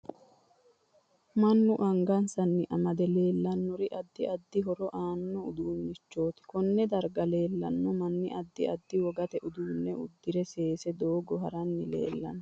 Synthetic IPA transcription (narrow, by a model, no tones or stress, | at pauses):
mɐnːʊʔɐŋɡɐnsɐnːɪʔɐmɐd̪ɛle̞ːlːɐnːɔɾɪʔɐd̪ːɪɐd̪ːɪɦɔɾɔʔaːnːɔʊd̪uːnːɪt͡ʃːo̞ːt̪ɪ̥kɔnːɛd̪ɐɾɡɐle̞ːlːɐnːɔmɐnːɪʔɐd̪ːɪɐd̪ːɪwɔɡɐt̪ɛʔʊd̪uːnːɛʊd̪ːɪɾɛse̞ːsɛd̪oːɡɔɦɐɾɐnːɪle̞̰ːlːɐ̰nːɔ